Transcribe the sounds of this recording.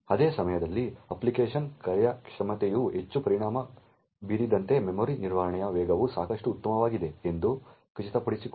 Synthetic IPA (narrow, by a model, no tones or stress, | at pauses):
ɐd̪eːsɐmɐjɐd̪ɐlːiɐplikeːʂɐnkɐɾjɐkʂɐmɐt̪ejuɦe̞t͡ʃːupɐɾiɳaːmɐ | biɾid̪ɐnt̪e̞memoːɾiniɾʋaːɦɐɳɐjɐʋɛːɡɐʋusaːkɐʂʈuːt̪ːɐmɐʋaːɡid̪e̞end̪u | kɐt͡ʃit̪ɐpɐɽisik